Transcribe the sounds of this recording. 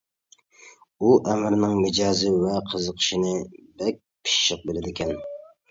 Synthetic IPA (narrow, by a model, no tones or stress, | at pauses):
uʔɛmɪɾnɪŋmɪd͡ʒɑːzɨvɛqʰəzəqʰə̥ʃinɨbɛk̚ʲ | pʰi̥ʃʃəq̚bɪlɪd̪ɪkʲʰɛn